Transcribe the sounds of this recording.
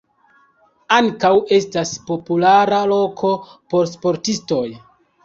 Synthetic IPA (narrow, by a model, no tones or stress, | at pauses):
aŋkawe̞staspo̞pulaɾalo̞kʰo̞po̞ɾs̬po̞ɾtisto̞j